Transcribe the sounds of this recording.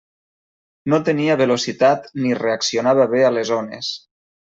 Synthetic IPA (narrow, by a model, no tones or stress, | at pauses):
not̪əniaβelosit̪at̪nireaksionaβaβealezonḛs